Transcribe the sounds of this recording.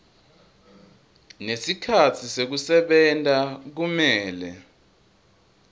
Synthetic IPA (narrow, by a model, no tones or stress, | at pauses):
nesikʰatʰisek̬usɛɓɛntʼak̬umɛːlɛ̰